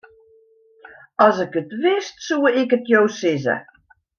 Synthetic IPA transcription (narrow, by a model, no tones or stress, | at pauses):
ɑzɪkətʋɪstsuːɪkətjowsɪzə̰